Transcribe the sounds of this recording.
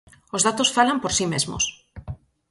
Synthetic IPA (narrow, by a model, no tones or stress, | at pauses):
ozðat̪osfalampoɾsimezmo̰s